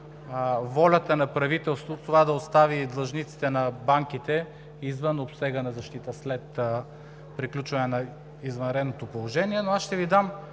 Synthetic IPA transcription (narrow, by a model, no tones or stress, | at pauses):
vɔlʲət̪ənɐpɾɐvit̪ɛlˠst̪vot̪ovad̪ɐost̪avid̪lˠɐʒnit̪si̥t̪ɛnɐbaŋkit̪ɛ | izvənopsɛɡənɐzɐʃt̪it̪əslɛt̪ | pɾiklʲut͡ʃvɐnɛnɐ | izvɐnɾɛd̪not̪opolˠoʒɛniɛnoasʃt̪ɛvid̪am